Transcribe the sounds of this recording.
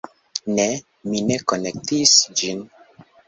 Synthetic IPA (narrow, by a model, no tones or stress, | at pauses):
ne | minekonek̚tisd͡ʒin